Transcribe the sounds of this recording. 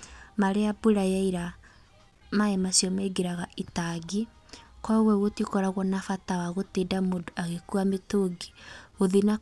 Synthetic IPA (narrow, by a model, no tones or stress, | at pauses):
maɾeabuɾajaiɾa | maɛmasjɔmeɡeɾaɣaʔitaɡi | kɔɣwɛwotikɔɾaɣwɔnafatawaɣotedamodoʔaɣekuametoɡi̥oðina